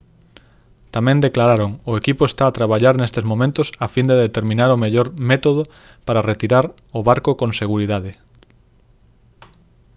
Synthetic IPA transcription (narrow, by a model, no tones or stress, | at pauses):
t̪amɛ̃nd̪eklaɾaɾoŋʊekipʊest̪aːt̪ɾaβ̞aʎaɾnest̪ezmõmẽnt̪ʊsafind̪eðet̪eɾmĩnaɾʊmeʎoɾmet̪oð̞ʊ | paɾaret̪iɾaɾ | ʊβaɾkokõŋseɣuɾiðaðe